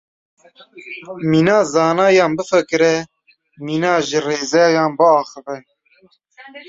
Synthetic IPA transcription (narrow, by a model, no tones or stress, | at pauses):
miːnɑːzɑːnɑːjɑːnbɨfɨkɨɾɛ | miːnɑːʒɪreːzɛjɑːnbɨɑːxɨvɛ